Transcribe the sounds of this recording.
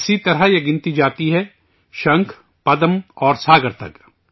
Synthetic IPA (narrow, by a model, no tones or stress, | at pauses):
ɪsit̪ɐɾajeɡɪ̃nt̪id͡ʒaːt̪iɦɛ | ʃɐ̃ŋkʰ | pɐd̪əmɔːɾsaːɡəɾt̪ɐ̰k